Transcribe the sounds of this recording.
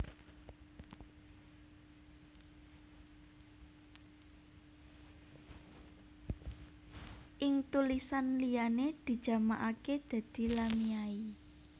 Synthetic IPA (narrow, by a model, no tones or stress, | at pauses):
ʔɪŋt̪ulisanlijaned̪̥i̤d̥ʒ̥a̤maʔaked̪̥a̤d̪̥i̤lamiai